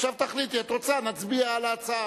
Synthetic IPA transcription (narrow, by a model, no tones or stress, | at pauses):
ʃavt̪aχlit̪iet̪ot͡sanat͡sbiaːlaːt͡sa